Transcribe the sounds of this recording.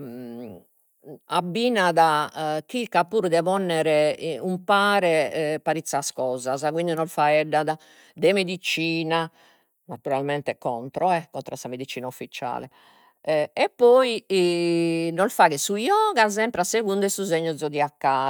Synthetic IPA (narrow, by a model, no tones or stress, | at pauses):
abːinaðakikːapːuːɾd̪ɛvɔnːɛɾɛumpaːɾɛpaɾit̪sːaskɔːzazak̬wind̪inɔlfaɛɖːaða | d̪ɛmed̪it͡ʃiːna | nat̪uɾalmɛnt̪ɛkɔnt̪ɾɔɛkɔnt̪ɾasameðit͡ʃːiːnaufːit͡ʃa̰ːlɛ | ɛpːɔi | nɔlfaɣɛsujɔːɣazɛmpɾaseɣund̪ɛsuzeɲːɔd̪zɔd̪iakːaː